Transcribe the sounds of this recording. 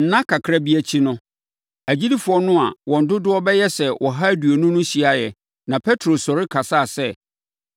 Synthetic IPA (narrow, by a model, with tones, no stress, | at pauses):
n̩˨nã˦kʰa˨kʰɾa˦bi˦æ˨t͡ɕʰi˦nʊ̃˦ | æ˨d͡ʑi˦di˦fʊ˨˦ɔ˦nʊ̃˦a˨wʔɔ̃˨n̩˨dʊ˦dʊ˦ɔ˦bɛ˦jɛ˦sɛ˨wʔɔ˨ɦa˦du˨o˨nʊ̃˦nʊ̃˦ɕi˨a˨jɛ˨ | nã˨pʰɛ˦tʰɾo˨sɔ˨ɾɪ˦kʰa˨sa˦˨sɛ˦˨